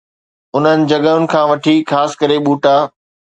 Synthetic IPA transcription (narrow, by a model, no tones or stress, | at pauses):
ʊn̤ənɪ̆d͡ʑɐɠəʊnɪ̆kʰãːʋɐʈʰixaːsɪ̥kəɾeɓuːʈaː